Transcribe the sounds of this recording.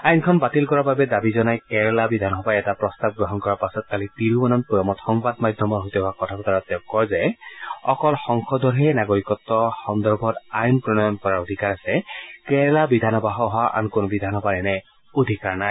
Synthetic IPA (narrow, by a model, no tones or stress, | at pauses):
ajnkʰɔnbatilkɔɹababɛdabizɔnajkɛɹɛlabidʱanɦɔbaɛtapɹɔstab̚ɡɹɔɦɔnkɔɹaɹpasɔt̚kalitiɹubɔnɔnpɹɔjɔmɔtxɔŋbadmajdʱjɔmɔɹɦojtɛɦɔwakɔtʰakɔtaɹatɛkːɔɹzɛɔ̰kɔlxɔŋkʰɔdʱɔɹɦɛnaɡoɹikɔtːɔxɔndɔɹbʱɔtajnpɹɔnɔjɔnkɔɹaɹodʱikaɹasɛkɛɹɛlabidʱanɔbaɦɔɦaʔa̰nkonobidʱanɦɔbanɛnɛ | odʱikaɹnaj